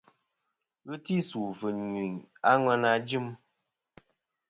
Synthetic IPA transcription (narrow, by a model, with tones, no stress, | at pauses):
ɣɨ˦ti˦su˨və˨ɲi˨ŋa˦ŋwa˦na˦d͡ʒi˦m